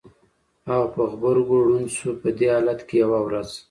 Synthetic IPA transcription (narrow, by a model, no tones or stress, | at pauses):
aɣapəɣbəɾɡoɽunsupəd̪eɑlat̪kejawawɾaz